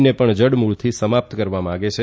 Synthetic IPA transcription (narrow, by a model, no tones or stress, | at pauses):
nepəɳd͡ʒəɽmuɭt̪ʰisəmap̚t̪kəɾʋamaɡet͡ʃʰe